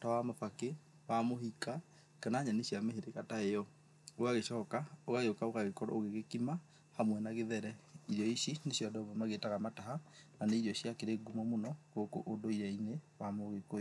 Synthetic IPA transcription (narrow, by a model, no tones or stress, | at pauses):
tawamafake | wamohika | kanaɲaneɕjameɦeɾekataejɔ | oɣaɣeʃɔːkaoɣaɣeokaokaɣekɔɾɔ̰oɣeɣekima | hamwɛnaɣeðɛɾɛiɾjɔiʃineɕjɔdɔβɔmaɣetaɣamataɦananeiɾjɔɕjakeɾeɡumɔmonɔkoko̰ʔodoiɾainewamoɣeko